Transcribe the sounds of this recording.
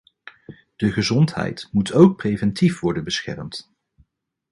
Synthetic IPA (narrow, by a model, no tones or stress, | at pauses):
d̥əχəzɔntɦɛ̰jtmutʰowk̚prejvɛntifʋɔɹdənbəsχɛ̰rmt